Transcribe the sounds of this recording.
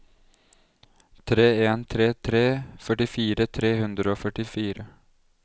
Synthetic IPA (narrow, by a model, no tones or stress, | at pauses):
t̪ʰɾeːeːnt̪ʰɾeːt̪ʰɾeːfœʈɪfiːɾət̪ʰɾeːhʉnd̪ɾəoːfœʈɪfiːɾə